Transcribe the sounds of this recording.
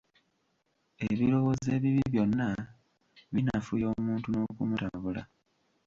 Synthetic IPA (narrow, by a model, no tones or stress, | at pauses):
e̞βiɾo̞wo̞ze̞ːβiβiβjo̞nːa | βinafujoːmuːntuno̞kumutaβula̰